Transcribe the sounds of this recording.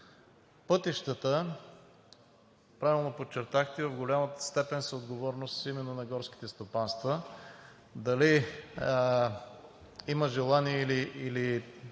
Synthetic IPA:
pɤt̪iʃt̪ət̪ə | pɾavilˠnopott͡ʃːɛɾt̪axt̪ɛvɐvɡolʲaməst̪ɛpɛnsəod̪ɡovɔɾnost̪imɛnːonɐɡɔɾski̥t̪ɛst̪opanst̪və | d̪ɐli | iməʒɛlˠaniɛiliʔili

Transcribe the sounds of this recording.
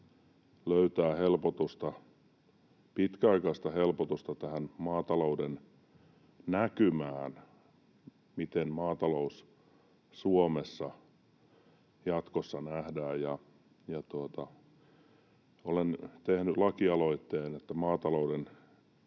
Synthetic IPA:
løyt̪æːhelpot̪ust̪ɑ | pit̪kæɑikɑist̪ɑhelpot̪ust̪ɑt̪æhænmɑːt̪ɑlouden | nækymæːn | mit̪enmɑːt̪ɑlous | suomesːɑ | jɑt̪kosːɑnæhdæːjjɑ | jɑt̪uot̪ɑ | olent̪ehnylɑkiɑloit̪ːeːnet̪ːæmɑːt̪ɑlouden

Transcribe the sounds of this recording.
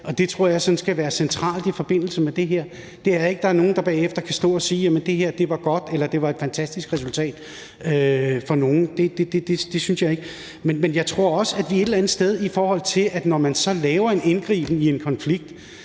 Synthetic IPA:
ʔɒ̽d̥e̝t͡sʰʁo̝ɐ̰jɑ̈ɪsɒ̽nsɡ̥æʋæːɐsent͡sʰʁɑ̰̈ːld̥ifɒ̽b̥e̝n̰l̩səmed̥e̝ɦeɐ̰ | d̥e̝æɐe̝ɡ̥əd̥ɑ̈æɐno̝ːn̩d̥ɑ̈b̥ɛ̰ːefd̥ɐkʰæsd̥ɔ̰̽ːɒ̽siːjæmənd̥e̝ɦeɐ̰d̥e̝ʋɑ̈ɡ̥ɒ̽d̥elɐd̥e̝ʋɑ̈e̝d̥fænt͡sʰæsd̥isɡ̥ʁɛsult͡sʰɛ̰ːd̥ | øfɒ̽no̝ːn̩d̥e̝d̥e̝d̥ed̥e̝d̥e̝synsjɑ̈ɪe̝ɡ̥ə | menmenjɑ̈ɪt͡sʰʁo̝ɐ̰ɒ̽səæd̥ʋie̝d̥elænð̩ˠsd̥eð̞ˠifɒːhɒ̽l̰t͡sʰe̝lʔæd̥nɒmænsɒ̽lɛːʊɐe̝ne̝nɡ̥ʁḭːb̥n̩ie̝nkʰɒ̽nfliɡ̥̚d̥

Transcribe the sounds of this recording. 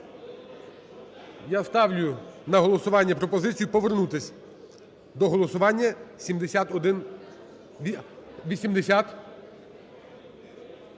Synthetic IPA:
jast̪ɑwlʲʊjʊnɐɦɔlˠɔsʊʋɑnʲːɐpɾɔpɔzɪt͡sʲijʊpɔʋernut̪ɪsʲ | d̪ɔɦɔlˠɔsʊʋɑnʲːɐsʲimd̪esʲat̪ɔd̪ɪnʲ | iʋʲisʲimd̪esʲat̪

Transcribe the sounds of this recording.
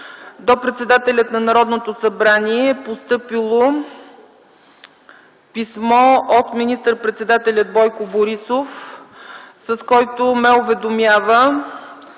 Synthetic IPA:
d̪opɾɛt̪sɛd̪at̪ɛlʲət̪nɐnɐɾɔd̪not̪osɐbɾaniɛpost̪ɤpilˠo | pismɔot̪minist̪əɾpɾɛt̪sɛd̪at̪ɛlʲəd̪̚bɔjkoboɾisof | sɐskɔjt̪omɛʊvɛd̪omjavə

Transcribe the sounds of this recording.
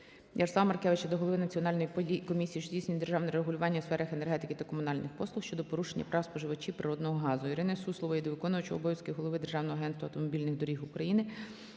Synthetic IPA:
jɐrsˠɑmɐrkɛʋɪt͡ʃɐd̪ɔɦɔlˠɔʋɪnɐt͡sʲiɔnɑlʲnɔjikɔmʲisʲijːʃt͡ʃdʲijsʲnʲijd̪erʒɑwnɛɾeɦʊlʲʊʋɑnʲːɐsfɛɾɐxenerɦɛt̪ɪkɪt̪ɐkɔmʊnɑlʲnɪxpɔslˠʊxʃt͡ʃɔd̪ɔpɔɾuʃenʲːɐpɾɑwspɔʒɪʋɐt͡ʃʲiwpɾɪɾɔd̪nɔɦɔɦɑzʊiɾɪnɪsuslˠɔʋɐjid̪ɔʋɪkɔnʊʋɐt͡ʃʊɔbɔjɐsʲkɪɦɔlˠɔʋɪd̪erʒɑwnɔɦɐɦɛnt̪ʋɐwt̪ɔmɔbʲilʲnɪɣd̪ɔɾʲixʊkɾɐjinɪ

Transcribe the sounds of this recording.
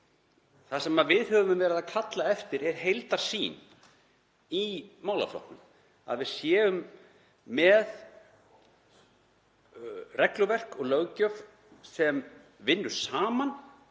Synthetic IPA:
θasɛmaðvɪðhœvʏmvɛːɾɪðakʰat̪laɛft̪ɪɾɛɾ̥ɦejlt̪aɾ̥siːn | imaːwla̰flɔ̰ht̪nʏm | a̰ðvɪðsjɛːʏmː | ɛð | rɛklʏvɛr̥kɔɣlœɣcœf | sɛm | vɪnːʏɾ̥saːman

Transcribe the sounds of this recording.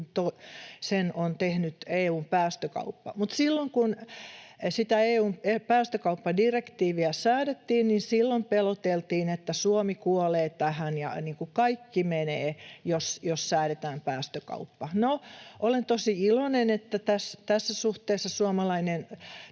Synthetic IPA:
t̪osenont̪ehnyt̪eːuːmpæːst̪økɑ̰upːɑmut̪silːoŋkun | sit̪æeːuːmpæːst̪økɑupːɑdirekt̪iːʋiæsæːɾet̪ːiːnninsilːompelot̪elt̪iːnet̪ːæsuomikuoleːt̪æhænjɑ̰niːŋkukɑikːimeneːjosjossæːɾet̪æːmpæːst̪økɑ̰upːɑnoʔolent̪osiilonenet̪ːæt̪æst̪æsːæsuht̪eːsːɑsuomɑlɑinen

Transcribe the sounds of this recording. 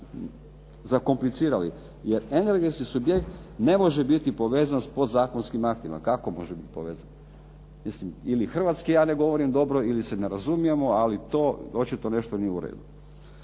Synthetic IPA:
zako̞mplit̪siːɾali | jeɾe̞ne̞ɾɡet̪skisubjekt̪ | ne̞mo̞ʒebit̪ipo̞ʋe̞ːzanspo̞d̪zaːkonskimakt̪ima̰kakomo̞ʒebit̪i̥po̞̰ʋeːzan | mislimilixr̩ʋat̪skijaːne̞ɡo̞ʋo̞ɾimd̪o̞bɾo̞iliseneɾazumijemoalit̪o̞ːot͡ʃit̪o̞ne̞ʃt̪onijeuɾḛːd̪u

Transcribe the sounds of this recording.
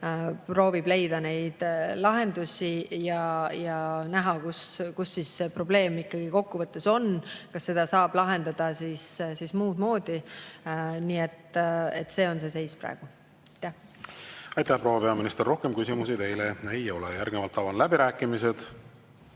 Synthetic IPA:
pro̞ːvib̥le̞jd̪ɑne̞jd̪̥lɑɦe̞nd̪usʲijɑjɑnæɦɑkuskusːiːsse̞pro̞ble̞ːmikˑːɑɡ̥iko̞kːuvɤt̪ːˑe̞so̞nkɑsːe̞d̪̥ɑsɑːb̥lɑɦe̞nd̪̥ɑd̪̥ɑsissismuːd̪̥mo̞ːd̪̥i | niːet̪ːe̞̰t̪ːˑse̞ːo̞ns̬e̞s̬e̞jspræ̰ɡ̥u | ɑjt̪ːˑæh | ɑjt̪ːˑæhpɾo̞wɑpeɑminist̪erːo̞hke̞mkysimusit̪e̞jleejo̞lejærɡnevɑlt̪ˑːɑvɑnlæbiɾæːkːˑimise̞d̪̥

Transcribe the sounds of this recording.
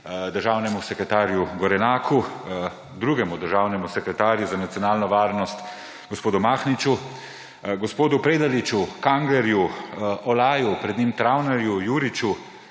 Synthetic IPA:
d̪əɾʒaːwnɛmusɛkɾɛt̪aːɾjuɡɔɾɛnaːkʰu | d̪ɾuːɡɛmud̪əɾʒaːwnɛmusɛkɾɛt̪aːɾjuzanat̪sijɔnaːlnɔʋaːɾnɔst̪ | ɡɔspoːd̪umaːxnit͡ʃu | ɡɔspoːd̪upɾeːd̪alit͡ʃukaŋɡɛɾjuʔɔlaːjupɾɛd̪nimt̪ɾawnaɾjujuɾit͡ʃu

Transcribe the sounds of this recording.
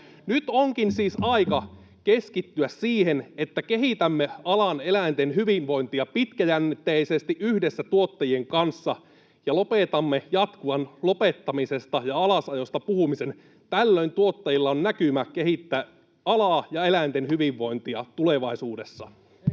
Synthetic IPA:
nyt̪oŋkinsiːsɑikɑ | keskit̪ːyæssiːhenet̪ːækeɦit̪æmːeɑlɑnelænt̪enɦyʋiʋʋo̞int̪iɑpit̪kæjænːit̪ːeisest̪iʔyhdesːæt̪uot̪ːɑjieŋkɑnsːɑ | jɑlo̞pet̪ɑmːejɑt̪kuɑnlo̞pet̪ːɑmisest̪ɑjɑɑlɑsɑjost̪ɑpuhumisen | t̪ælːøint̪uot̪ːɑjilːɑonnækymækeɦit̪ːæː | ɑlɑːjɑelænt̪enhyʋiʋːo̞int̪iɑ̰t̪uleʋɑisuːde̞sːɑ̰

